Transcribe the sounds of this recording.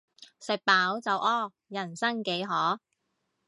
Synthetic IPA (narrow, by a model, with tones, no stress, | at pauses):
sɪ˨k̚paː˨˥wt͡sɐ˨wʔɔː˥ | jɐ˨˩nsɐ˥ŋke˨˥jɦɔː˨˥